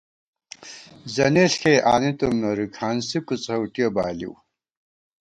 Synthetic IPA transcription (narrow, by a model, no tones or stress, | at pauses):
zɐneɬkʰejʔa̰ːnit̪umnoɾikʰaːnsikut͡sɐwʈijobaːlḭw